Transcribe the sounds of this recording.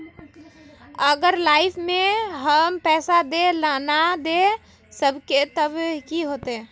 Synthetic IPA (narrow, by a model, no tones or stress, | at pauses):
əɡəɾlaːɪpʰmẽɦəmpɛːsad̪elanad̪e | səbket̪əbkiɦoːt̪eɦɛ̃ː